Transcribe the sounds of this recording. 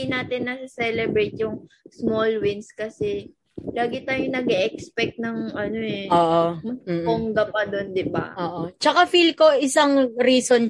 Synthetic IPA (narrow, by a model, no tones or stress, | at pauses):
ɪnaːt̪ɪnːɐsɪsɛlɛbɾejt̪̚jʊŋsmolwɪnskɐsɛ | laːɡɪt̪aːjonɐɡɛʔɛkspɛk̚t̪̚nɐŋɐno̞ɛʔoːʔomɐm̩ːoŋɡɐpad̪o̞nd̪ɪba̰ʔoːʔot͡ʃɐkafilko̞ʔɪsaŋɾiːson